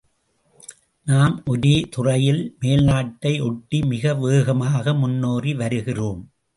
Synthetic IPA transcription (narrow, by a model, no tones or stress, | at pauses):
naːmʔɔɾit̪ʊrɐjɪlmeːlnaːʈːɐɪʔɔʈːimɪɣɐʋeːɣɐmaːɣɐmʊnːoːriʋɐɾɯɣɪroːm